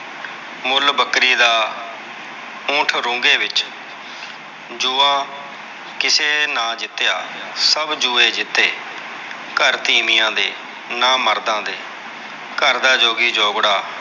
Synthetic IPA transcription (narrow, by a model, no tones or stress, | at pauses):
mʊlbəkɾiːd̪aː | ʊ̃ːʈʰɾʊ̃ːɡeːʋɪt͡ʃ | d͡ʒuːãː | kɪseːnãːd͡ʒɪt̪ːjaː | səbd͡ʒuːeːd͡ʒɪt̪ːeː | kəɾt̪iːmɪjãːd̪eː | naːməɾd̪ãːd̪eː | kəɾd̪aːd͡ʒoːɡiːd͡ʒɔːɡɽaː